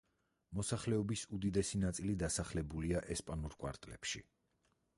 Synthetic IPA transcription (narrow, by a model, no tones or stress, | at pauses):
mɔsaχlɛɔbisud̪id̪ɛsinat̪sʼilid̪asaχlɛbuliaʔɛspʼanuɾkʼwa̰ɾt̪ʼlɛpʃḭ